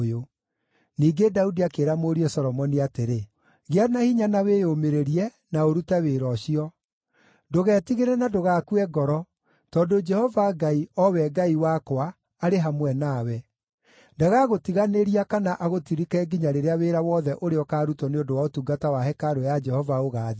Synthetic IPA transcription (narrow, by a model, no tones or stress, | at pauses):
jo | niːɡedaudiakeːɾamoɾiɛsɔɾɔmɔniateɾe | ɣeanahiɲanawejomeɾeɾiɛ | naoɾutaweɾɔʃiɔ | doɣɛːtiɣeɾɛnadoɣaːkuɛɡɔɾɔ | tɔdod͡ʒɛhɔvaɡaiɔwɛɡaiwakwaː | ɾeɦamwɛnawɛ | ndaɣaɣotiɣaneɾiakanaʔaɣotiɾikɛɡiɲaɾeɾeaweɾawɔðɛʔoɾeɔkaːɾutɔneondowaotuɡatawaɦɛkaɾojad͡ʒɛhɔvaoɣaːði